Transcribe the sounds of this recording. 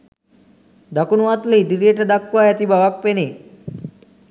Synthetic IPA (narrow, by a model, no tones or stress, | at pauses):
d̪akunʋat̪led̪iɾeʈəd̪akʋajat̪ibaʋak̚pene